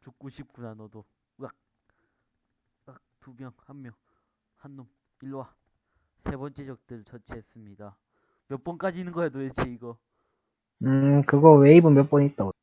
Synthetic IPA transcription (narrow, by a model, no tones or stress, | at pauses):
t͡ɕuk̚k͈uɕʰip̚k͈unanʌdo | ɡak̚ | ɡak̚tubjʌŋhamːjʌŋ | hanːum | iɭwa | sʰe̞bʌnt͡ɕ͈e̞d͡ʑʌk̚t͈ɯɭt͡ɕʌt͡ɕʰeɦes͈ɯmɲida | mjʌp͈ʌnk͈ad͡ʑiːnɯnɡʌedoet͡ɕʰeiɡʌ | ɯkɯɡʌweibɯnmjʌp͈ʌɲit͈̚ao